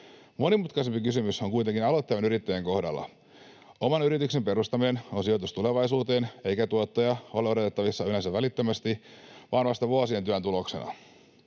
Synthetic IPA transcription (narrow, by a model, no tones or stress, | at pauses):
mo̞nimut̪kɑisempikysymysoŋkuijt̪eŋkinɑlot̪ːejʋenyɾit̪ːejeŋko̞hdɑ̰lːɑ̰ | o̞mɑnyɾit̪ykse̞mpe̞ɾust̪ɑmine̞no̞nsio̞t̪ust̪ule̞ʋɑisuːt̪e̞ːne̞jkæt̪uot̪ːojɑo̞leo̞ɾot̪et̪ːɑʋisːɑylensæʋælit̪ːømæst̪iʋɑnʋɑst̪ɑʋuɑsiet̪yænt̪ulo̞kse̞̰nɑ̰